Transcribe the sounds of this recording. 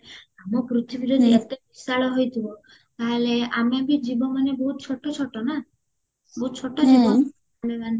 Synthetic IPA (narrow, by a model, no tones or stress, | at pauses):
amɔpɾut̪ʰibiɾod̪ʱet̪ebisaɭɔɦojt̪ʰibɔ | t̪aɦeleamebid͡ʒibɔmanebɔɦut̪̚t͡ʃʰɔʈːɔt͡ʃʰɔʈɔna | bɔɦut̪̚t͡ʃʰɔʈɔd͡ʒibɔ | ameban